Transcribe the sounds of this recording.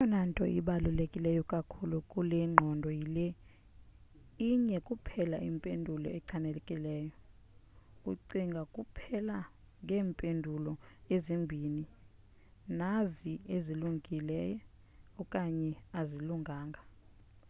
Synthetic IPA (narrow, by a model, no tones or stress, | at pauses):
jɔnantʼɔ̰ʔḭɓalulekʼilɛjɔkʼakʰulukʼulɛŋ͡ǃʱɔndʱɔjilɛ | iɲɛkʼupʰɛla̰ʔimpʼendʱulɔ̰ɛǀʰanɛlɛkʼilɛːjɔ | uǀiŋɡʱakʼupʰɛla | ŋɡʱɛːmpʼendʱulɔezimbʱini | nazieziluŋʱilɛ̰jɛ | ɔkʼaɲɛaziluŋɡʱaːŋɡʱa